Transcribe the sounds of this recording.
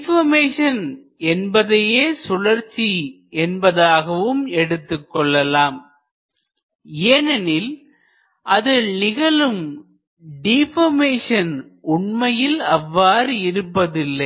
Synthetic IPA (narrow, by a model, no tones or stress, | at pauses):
ɪfɐmeːʂɐn | ɛnbɐðɐjeːsʊlɐɾt͡ʃːi | ɛnbɐðaːɣɐʋɯmɛɽɯt̪ːɯkːɔɭːɐlaːm | eːnɐnɪl | ʔɐðɪɭnɪɣɐɭɯm | ɖɪfɐmeːʂɐnʊɳmɐjɪlɐʋːaːɾɪɾɯpːɐðɪlːɐɪ